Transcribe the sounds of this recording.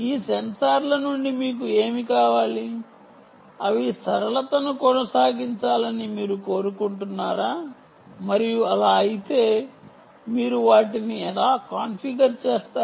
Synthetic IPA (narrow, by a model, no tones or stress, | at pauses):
iːsensaːɾlɐnuɳɖimiːk̬ue̞ːmikaːʋaːli | ɐʋisɐɾɐlɐt̪ɐnukɔnɐsaːɡiɲt͡ʃaːlɐnimiːɾuko̞ːɾukuɳʈunːaːɾaː | mɐɾijuɐlaːɐjit̪e̞ː | miːɾuʋaːʈiniɛlaːkaːnpiɡɐɾt͡ʃeːst̪aː